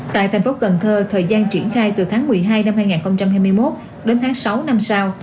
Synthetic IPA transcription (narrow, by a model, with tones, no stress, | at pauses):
t̪a̰ː˧˨jt̪ʰɛ˨˩jŋ̟fo˨˦kə˨˩nt̪ʰəː˧t̪ʰəː˨˩jzaː˧nt͡ɕi˧˩ənxaː˧jt̪ɨ˨˩t̪ʰaː˨˦ŋmɨ˨˩əjɦaː˧jna˧mhaː˧jŋaː˨˩nxə˧wŋ͡mt͡ɕa˧mhaː˧jmɨ˧əjmo˦˥t̚ | ɗe˨˦nt̪ʰːŋsa˨˦wna˧msa˧w